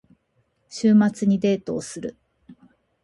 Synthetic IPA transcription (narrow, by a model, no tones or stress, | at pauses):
ɕɨːmat͡sɨɲ̟id̪e̞ːt̪o̞ːsɨɾɯ